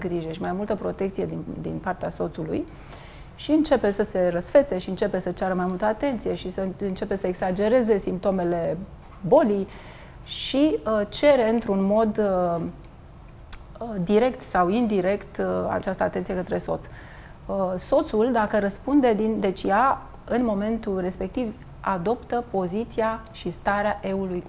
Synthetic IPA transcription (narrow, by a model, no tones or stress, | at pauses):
ɡɾiʒeʃimajmult̪əpɾo̞t̪e̞kt̪sije̞d̪id̪ḭnpart̪easo̞t̪sulṵj | ʃiɨnt͡ʃe̞pe̞səse̞rəsfe̞t̪se̞ʃiɨnt͡ʃe̞pe̞sət͡ʃaɾəmajmult̪əat̪e̞nt̪sije̞ʃisəɨnt͡ʃe̞pe̞səeksad͡ʒe̞ɾe̞ze̞simp̚t̪o̞me̞le̞ | bo̞lij | ʃiət͡ʃe̞ɾe̞ɨnt̪ɾunmo̞d̪ | d̪iɾe̞kt̪sawind̪iɾe̞kt̪a̰t͡ʃast̪əat̪ent̪sije̞kət̪ɾe̞so̞̰t̪s | so̞t̪suld̪akəɾəspund̪e̞d̪ind̪e̞t͡ʃʲja | ɨnmo̞me̞nt̪ulre̞spe̞k̚t̪iv | ad̪o̞pt̪əpo̞zit̪sia | ʃist̪aɾeaʔe̞uluj